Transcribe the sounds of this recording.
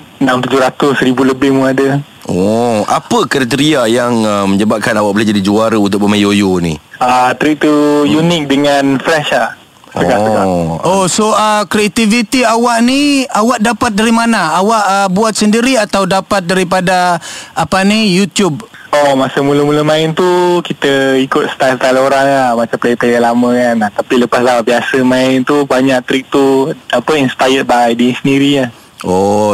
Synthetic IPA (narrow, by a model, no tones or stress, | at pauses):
namt̪ud͡ʒʊɾat̪ʊsɾibuləbɪhmũadə | ɔapəkəɾat̪əɾiajaŋəmə̃ɲəbap̚kanawaʔbulad͡ʒadid͡ʒuaɾaunt̪ʊk̚bəmajojonḭ̃ət̪ɾit̪ujunɪk̚dəŋanfɾɛʃa | səkaʔsəaosoəkɾiat̪ivit̪iawaʔniawaʔdapat̪̚daɾimanaawaʔəbuat̪̚səndiɾiat̪awdapat̪̚daɾip̬adaapanijut̪jub̚omasəmuləmuləmãɪnt̪ukit̪əikʊt̪̚sə̥t̪alsət̪aloɾaŋlahmat͡ʃamplepejalamə̃kanaht̪apiləpaslawaʔbiasəmãɪnt̪ubaɲaʔ̚t̪ɾik̚t̪uapəinspajət̪̚baajdisəndiɾia | o